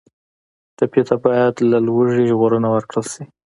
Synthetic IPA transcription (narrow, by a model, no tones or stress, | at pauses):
ʈapjet̪ʰabɑjad̪lalwəʐiʒɣoɾənawəɾkɽəlʃi